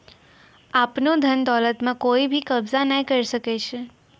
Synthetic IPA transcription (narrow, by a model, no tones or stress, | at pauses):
apnod̪ʱənd̪ɔlət̪mãkoibʱikəbzanaikəɾiʃəket͡ʃʰe